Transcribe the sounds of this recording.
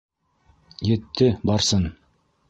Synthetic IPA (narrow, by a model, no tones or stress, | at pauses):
jĕt̪ːɘbɑɾsɤn